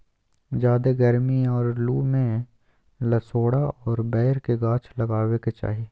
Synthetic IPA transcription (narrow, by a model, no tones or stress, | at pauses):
d͡ʒaːd̪eɡɐɾmiɔːɾluːmẽ | lɐsoːɽaɔːɾbɛːɾkeɡãːt͡ʃʰlɐɡaːweket͡ʃa̰ːɦieː